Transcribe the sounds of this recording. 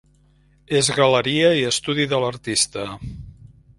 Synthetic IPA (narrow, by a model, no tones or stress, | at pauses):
ezɣələɾiəiəst̪uðiðələɾt̪ist̪ə